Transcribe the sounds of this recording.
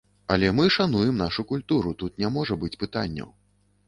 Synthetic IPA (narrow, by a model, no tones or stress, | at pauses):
ɐlʲɛmɨʂan̪ujɛmn̪aʂukulʲt̪uɾut̪ut̪nʲamɔʐɐbɨt͡sʲpɨt̪a̰nʲːɐ̰w